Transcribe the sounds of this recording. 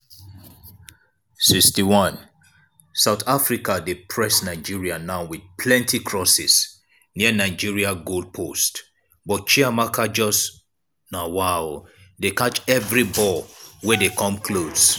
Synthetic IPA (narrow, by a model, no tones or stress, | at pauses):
sikstiwɔ̃n | saʊθafɹikadepʰɹɛsnaɪd͡ʒiɹianaʊwid̥pʰlɛ̃ntʰikʰɹɔsɪs | niənaɪd͡ʒiɹiaɡold̚pʰost | bɔt̚t͡ʃiamakʰad͡ʒɔs | nawa | dekat͡ʃɛvɹibɔwɛdekɔ̃mkʰlos